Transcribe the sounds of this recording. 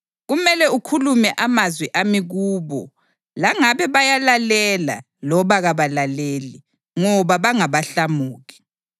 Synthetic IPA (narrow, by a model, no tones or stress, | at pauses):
ɣumɛlɛukʰulumɛʔamazwiʔamiɣuːβɔ̰ | laŋaβɛβajalalɛla̰ | lɔβaɣaβalaleːli | ŋɔβaβaŋaβaɬamuːɣi̥